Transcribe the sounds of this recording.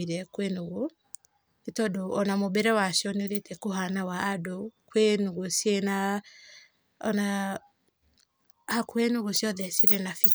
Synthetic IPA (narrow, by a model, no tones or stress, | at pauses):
iɾɛkwenoɣo | etɔdoɔnamobɛɾɛwaʃjɔneoɾetɛkoɦanawaːdokwenuɣosjena | ɔna | hakwenuɣosjɔðɛsiɾenafi